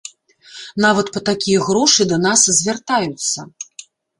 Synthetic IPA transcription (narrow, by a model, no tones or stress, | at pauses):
navɐt̪pɐt̪akʲijɐɣɾɔʂɨd̪ɐnaszʲvʲart̪ajut̪sːɐ